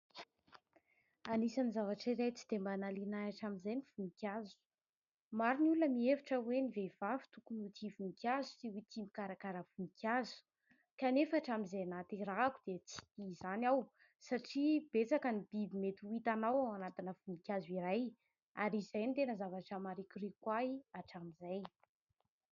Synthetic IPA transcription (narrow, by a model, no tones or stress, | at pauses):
anisanizavaʈ͡ʂiɾajt͡si̥d̪̥embanalinaaʈ͡ʂamizajniv̥unikʲjazu̥ | maɾinulunəmieviʈ͡ʂəwenivevavu̥t̪ukunut̪ʰivunikʲazu̥siwit̪imikaɾakaɾəv̥unikʲʰjazu̥ | kanefaːʈ͡ʂamizajanat̪irakud̪̥et͡si̥t̪izanaw | saʈ͡ʂib̥et͡sakənib̥ibimet̪iwit̪anawaanat̪inəv̥unikʲaziɾaj | aɾizajnt̪enəzavaʈ͡ʂamaɾikʲurekwaiaʈ͡ʂamizaj